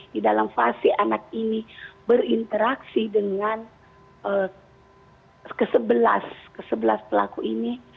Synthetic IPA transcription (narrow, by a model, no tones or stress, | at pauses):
didalamfa̰siʔanak̚inibərint̪əɾaksidəŋan | ə | kəsəbəla̰skəsəbəlaspəla̰kuʔini